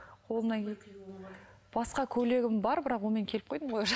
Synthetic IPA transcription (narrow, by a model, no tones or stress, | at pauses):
qʰo̞lˠənɑ | b̥ɑsqɑkʲʰɵle̞ɡʲɪmbɑɾbɪɾɑqwo̞lˠme̞ŋkʲʰe̞lɪp̚qʰo̞jd̪əmojɑ